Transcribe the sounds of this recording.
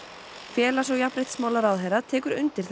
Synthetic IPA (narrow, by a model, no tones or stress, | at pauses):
fjɛːlas̬ɔwjahpɾejt̪smaːwlaɾaːwðɦejɾat̪ʰɛːkʏɾʏ̰nt̪ɪɾ̥θ